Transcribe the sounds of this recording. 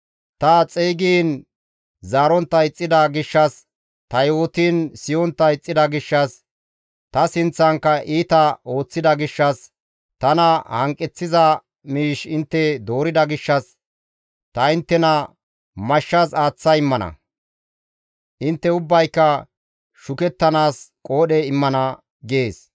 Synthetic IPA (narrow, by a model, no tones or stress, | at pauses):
t̪ɐt͡sʼeːɡiːn | zaːɾɔnt̪ːɐjɪt͡sʼːɪd̪ɐɡɪʃːɐs | t̪ɐjoːt̪iːnsɪjɔnt̪ːɐɪt͡sʼːɪd̪ɐɡɪʃːɐs | t̪ɐsɪnt͡sːɐŋkːɐʔiːt̪ɐo̞ːt͡sːɪd̪ɐɡɪʃːɐs | t̪ɐnɐhɐŋkʼːɪt͡sːɪzɐ | miːʃɪnt̪ːɛd̪o̞ːɾɪd̪ɐɡɪʃːɐs | t̪ɐɪnt̪ːɛnɐ | mɐʃːɐsaːt͡sːɐjɪmːɐnɐ̰ | ʔɪnt̪ːɛʊbːɐjkːɐ | ʃʊkɛt̪ːɐnaːskʼoːɗɛɪmːɐnɐ | ɡeːs